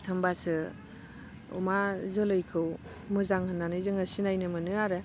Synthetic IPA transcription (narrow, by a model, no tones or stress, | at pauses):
hɯmbasɯ | ṵmazɯlɯjkʰɯw | mɯzaŋhɯnːanɯzɯŋɯsinajnɯmɯnɯaɾe